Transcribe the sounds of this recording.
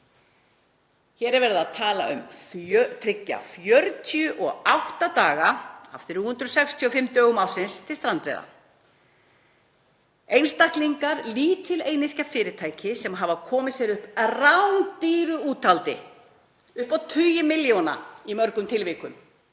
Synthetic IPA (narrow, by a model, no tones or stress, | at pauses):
çɛːɾɛɾvɛːɾɪðaðt̪ʰaːla̰ʏ̰mœt̪ʰɾɪcːa̰fjœɾt̪ʰiʏʔɔɣawht̪at̪aːɣaa̰ft̪ɪɾuhʏnt̪ɾʏsɛkst̪ʰiɔfɪmt̪œːɣʏmaːwsɪnst̪ʰɪlst̪ɾant̪vɛ̰jða̰ | ejnst̪ahk̪liŋkaɾliːt̪ʰɪlejnɪr̥cafɪːɾɪt̪ʰaːjcʰɪsɛmɦavakʰɔːmɪsjɛɾʏhprawnt̪iːɾʏuːt̪ʰalt̪ɪ̰ | ʏhpawt̪ʰʏjʏmɪljowna̰imœɾkʏmt̪ʰɪlvɪːkʏm